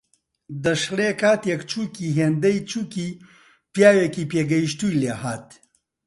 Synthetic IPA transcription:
d̪ɐʃleːkʰaːt̪jɐkt͡ʃʰuːkiːɦeːnd̪ɐjt͡ʃuːkiː | pjaːwekiːpeːɡɐjiʃt̪uːjleːhaːt̪

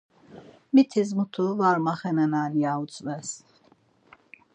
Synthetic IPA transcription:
mit̪ʰizmut̪ʰuvaɾmaχɛnɛnaliaut͡sʼvɛs

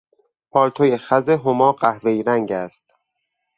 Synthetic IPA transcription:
pʰɒːɾt̪ʰojexæzeɦomɒːɢæhɾejɾæŋɟæst̪

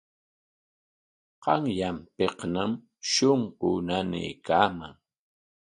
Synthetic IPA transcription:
qɑŋjampeqnam | ʃoɴqʊnanɪ̰jkaːma̰ŋ

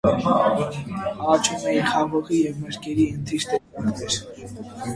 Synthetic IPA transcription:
ɑt͡ʃʰumɛinχɑʁɔʁijɛvməɾkɛɾiənt̪ʰiɾt̪ɛɛɾ

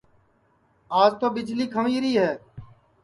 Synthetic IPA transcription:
aːd͡ʒt̪oːbɪd͡ʒliːkʰəmiːɾiːɦɛː

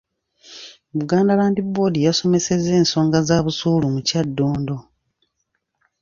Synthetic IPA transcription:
βuɡaːndalaːndibo̞dijaso̞me̞se̞ze̞ːnso̞ːŋɡazaːβusuːlumucadːoːndo̞

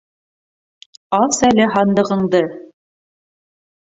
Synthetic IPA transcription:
ɑsælɘɦɑnd̪ɤ̆ʁɤ̆ɴd̪ɤ

